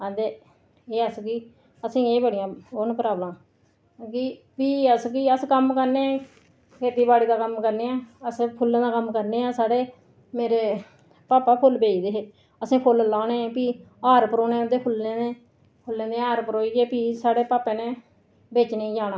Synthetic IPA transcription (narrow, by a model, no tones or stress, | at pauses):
ãːd̪eː | eːəskiː | əsĩːeːbəɽɪjãːonpɾaːbləm | ki | piːəskiːəskəmkəɾnẽː | kʰeːt̪iːbaːɽiːd̪aːkəmkəɾneːãːəspʰʊlːẽːd̪aːkəmkəɾneːãːsaːɽeː | meːɾeː | paːpaːpʰʊlbeːd͡ʒd̪eːɦeː | əsĩːpʰʊllãːnẽːpiː | aːɾpəɾoːnẽːd̪eːpʰʊlːẽːeː | pʰʊlːẽːd̪ẽːaːɾpəɾoːiːɡeːpiːsaːɽeːpaːpẽːnẽː | beːt͡ʃnẽiːd͡ʒaːnaː